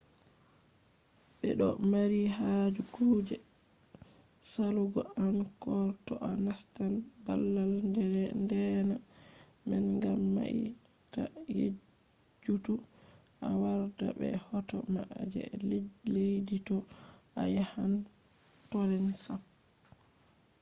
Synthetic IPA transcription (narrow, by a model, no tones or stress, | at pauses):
ɓɛ̰ɗɔmaɾiɦad͡ʒukod͡ʒɛ | saluɡɔankɔɾtɔʔanastanba̰lːalndɛɾɛndɛna | mɛnŋɡamːa̰ʔḭ | kajḛ | d͡ʒutu | ʔawaɾda̰bɛ̰hɔtɔmaʔd͡ʒɛ̰lelejditɔʔajahan | tɔɾɛnsam